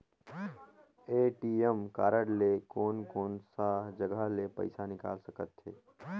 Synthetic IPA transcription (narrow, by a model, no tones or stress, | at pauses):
eːʈiːəmkaːɾəɽlekoːnkɔːnsaɦd͡ʒəɡalepə̰ɪsanɪka̰ːlsəkət̪ɦeː